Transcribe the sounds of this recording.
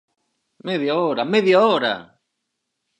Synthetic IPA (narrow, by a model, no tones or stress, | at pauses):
meðjaoɾameðjaoɾa̰